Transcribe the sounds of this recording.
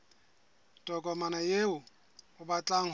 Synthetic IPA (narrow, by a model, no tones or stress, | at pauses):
tʼɔkʼɔmanajeʊ | ʊbat͡ɬʼaŋ̩